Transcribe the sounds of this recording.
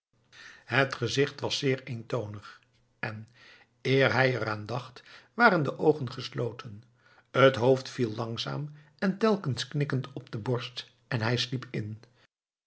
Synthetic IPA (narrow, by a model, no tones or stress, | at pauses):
ɦətχəzɪχtʋɑsːɪːɹejntownəχ | ɛn | ɪːɹɦɛjəɾaːndɑχtʋaːɾəndəʔowχənχəslowtʰən | ətɦowftfilˠlɑŋza̰ːm | ɛntɛlˠkənsknɪkəntʰɔb̚d̥əbɔɹst | ɛnɦɛjslipʰɪn